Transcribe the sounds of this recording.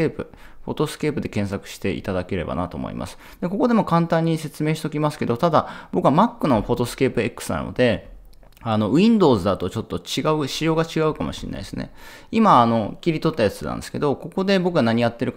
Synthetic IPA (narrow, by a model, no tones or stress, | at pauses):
eːpɯ̟ | ɸo̞̰t̪o̞sɨ̥ke̞ːpɯ̟d̪e̞kẽ̞ɰ̃sakɯ̟̥ɕi̥t̪e̞ḭt̪ad̪ake̞ɾe̞ba̰na̰t̪o̞̰mo̰ḭmʔa̰sɨ̥ | d̪̥e̞ko̞ko̞d̪e̞mo̞kãnt̪ãɲ̟ːise̞t͡sɨme̞ːɕi̥t̪okʲimasɨ̥ke̞d̪o̞t̪ad̪ab̥o̞kɯ̟βamakːɯ̟no̞ɸo̞t̪o̞sɨ̥ke̞ːpɯ̟e̞kːɯ̥sɨna̰no̰d̪e̞ | ano̞ĩnd̪o̞ːzɨd̪at̪o̞t͡ɕo̞t̪ːo̞t͡ɕiɡaɯ̟ɕijo̞ːɡat͡ɕiɡaɯ̟kamo̞̰ɕḭnːa̰iesɨne̞̰ | imaːno̞kʲiɾʲit̪o̞t̪ːajat͡sɨna̰nd̪esɨ̥ke̞d̪o̞ko̞ko̞d̪e̞bo̞kɯ̟ɡanaɲ̟ijat̪ːe̞ɾɯ̟k